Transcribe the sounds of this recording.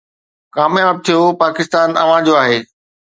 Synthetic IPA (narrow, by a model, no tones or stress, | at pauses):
kaːmjaːb̚t̪ʰijopaːkɪst̪aːnɐ̰ʋ̤ãd͡ʑoaːɦeː